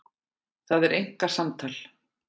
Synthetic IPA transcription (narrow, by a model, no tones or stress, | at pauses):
θaðɛɾʔejŋ̥kasamt̪ʰaːl